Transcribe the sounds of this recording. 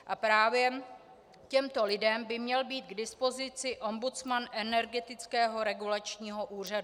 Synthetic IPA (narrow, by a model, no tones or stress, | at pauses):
ʔapɾaːvjɛ | cɛmt̪o̞lɪdɛmbɪmɲɛlbiːt̪̚ɡdɪspo̞zɪt͡sɪʔo̞mbut͡smanʔɛnɛɾɡɛt̪ɪt͡skɛːɦo̞ɾɛɡulat͡ʃɲiːɦo̞ʔuːr̝adu